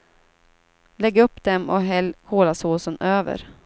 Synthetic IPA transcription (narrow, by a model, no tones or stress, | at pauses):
lɛɡːɵpːd̪ɛmɔɦɛlːkʰoːlasuːsənøːvə̰ɾ